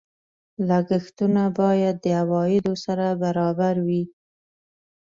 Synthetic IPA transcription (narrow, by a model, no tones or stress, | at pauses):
laɡixt̪unabɑjad̪ːəawɑjɪd̪osaɾabaɾɑbaɾwi